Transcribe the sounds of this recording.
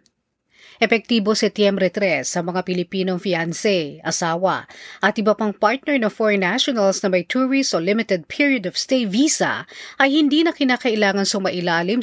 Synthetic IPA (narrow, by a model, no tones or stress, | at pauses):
ʔɛpɛk̚t̪iːbosɛpt̪jɛmbɾɛt̪ɾɛsɐmɐŋapɪlɪpiːno̞ŋfiansɛʔɐsaːwɐ̰ʔɐt̪ʔɪbɐpaŋpaɹt̪̚nɛɹnɐŋfɔɹɛnːaʃonɐlsnɐmɐjt̪ʰuɹist̪olɪmɪt̪ɛd̪̚pʰiɹjod̪ɔv̥st̪ejviːsɐ̰ʔɐjhɪnd̪inɐkɪnaːkɐʔɪlaːŋɐnsʊmɐʔɪlaːlɪm